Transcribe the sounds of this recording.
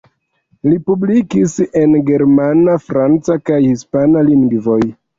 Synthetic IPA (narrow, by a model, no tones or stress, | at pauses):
lipublikise̞nɡe̞ɾmanafɾant͡sakajhispanaliŋɡvo̞j